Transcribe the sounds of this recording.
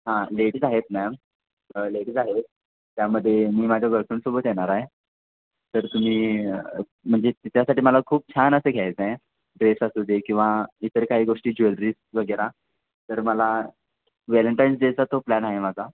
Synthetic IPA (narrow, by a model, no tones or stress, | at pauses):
ɦãleʈd͡zaɦet̪mɛəm | leʈd͡zaɦet̪̚ | t̪jaməd̪ʱːjemiːmad͡ʑʱaɡəɾkuɳsobət̪jeɽ̃aɾaɦe | t̪əɾt̪um̤iː | m̤əɳd͡zet̪it̪jasaʈiːməlakʰuːp̚t͡ɕʰanəseɡʱjajt͡sa | ɖɾesasud̪ekĩw̃ʋait̪əɾkaɦiːɡoʂʈiːd͡ʑuelɾiːsʋəɡəɾa | t̪əɾməla | ʋeləɳʈajnsd͡zed͡zat̪oplænaɦemad͡zʱa